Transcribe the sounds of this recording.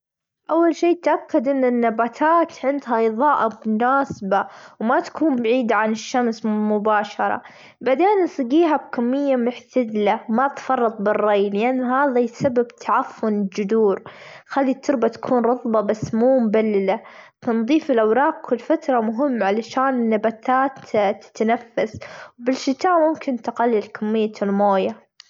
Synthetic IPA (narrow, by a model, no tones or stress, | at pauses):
ʔawːalʃiːt̪ʔakːad̪ʔɪnːɪnːabaːt̪ʰaːt̪ʕɪnd̪haʔɪjðˤɑːʔamʊnaːsbawmat̪ḁkʰuːmbaʕiːd̪ʕanɪʃːamsmʊbaːʃɑɾˤɑ̰ | baʕd̪eːnsˤɨɡiːɦab̚kamːɪjːamʊħt̪ad̪lamat̪fɑrˤːɑt̪ˤbɪrˤːɑjlɪʔanːɦaːðajsababt̪ʰaʕafːʊnɪld͡ʒʊd̪uːɾ | xalːit̪ʊɾbat̪ḁkʰuːnɾˤɑðˤbɑbasːmuːmbalːɪlaθɑnðˤiːfɪlʔawɾˤɑːqkʊlfat̪ɾˤɑmʊɦɪmːʕalaʃaːnɪnːabat̪aːt̪t̪ːɪ̥t̪nafːaswbɪlʃɪt̪aːʔmʊmkɪnt̪aqalːilkʰamːɪjːalmoːja